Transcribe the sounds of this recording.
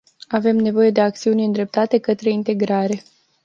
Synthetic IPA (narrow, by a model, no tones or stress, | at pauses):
ave̞mne̞vo̞je̞d̪e̞ak̚t̪siunʲɨnd̪ɾe̞p̚t̪at̪e̞kət̪ɾe̞int̪e̞ɡɾaɾe̞